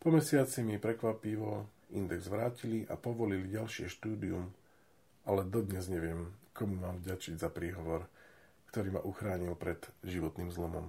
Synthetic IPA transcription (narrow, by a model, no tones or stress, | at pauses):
pɔmɛsɪat͡simipɾɛkʋapiʋɔ | ind̪ɛɡzʋɾaːciliʔa̰pɔʋɔliliɟalʃɪɛʃt̪uːd̪ium | alɛd̪ɔd̪ɲɛzɲɛʋɪɛmkɔmumaːmvɟat͡ʃiɟzapɾiːɦɔʋɔɾ | kt̪ɔɾiːma̰ʔuxɾaːɲilpɾɛd̪̥ʒiʋɔt̪niːmzlɔmɔ̰m